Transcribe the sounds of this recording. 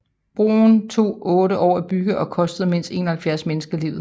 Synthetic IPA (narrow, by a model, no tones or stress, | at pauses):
b̥ʁo̝̰nt͡sʰo̝̰ːɔ̽ːɾəʔɒ̰ːæb̥yɡ̥əʔɒ̽kʰɒ̽sd̥əð̩ˠmen̰sd̥e̝̰ːnɒhælfjæɐsmenəsɡ̥ɐlḭʊð̩ˠ